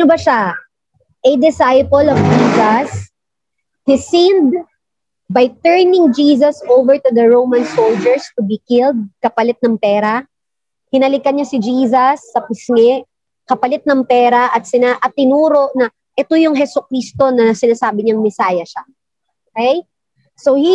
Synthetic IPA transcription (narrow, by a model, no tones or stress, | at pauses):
nobɐʃa | ʔɛd̪ɪsajpɐlɔvd͡ʒiːsɐs | d̪̥ɪsind̪̚ | bajt̪ɛɹnɪŋd͡ʒiːs̬ɐsʔowvɛɹt̪ʊd̪ɐɹowmɐnsowld͡ʒɛɹst̪ʊbikɪld̪̚kɐpɐlɪt̪̚nɐŋpɛːɾa | hɪnɐlɪkɐnɲasɪd͡ʒiːs̬ɐsːɐpɪsŋɛ | kɐpɐlɪt̪̚nɐŋpɛːɾɐʔɐt̪̚sɪnaʔɐt̪ːɪnuːɾo̞ʔnɐ | ʔɛt̪ojʊŋɦɛsʊkɾist̪o̞nɐsɪnaːsaːbɪɲɐŋmɪsaːjɐʃa | ʔʔʔokɛj | sowhi